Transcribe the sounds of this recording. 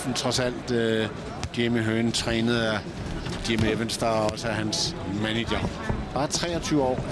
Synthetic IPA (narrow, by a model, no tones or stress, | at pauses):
fn̩t͡sʰʁɒ̽sæl̰d̥ø | ɡ̥emiɦøːnt͡sʰʁɛ̰ːnəð̩ˠæ | d̥emeʋensd̥ɐɒɒ̽səæɦæns | mænidɐ | b̥ɑ̈ːt͡sʰʁɛ̰ːɒt͡sʰyːʊəɒ̰ː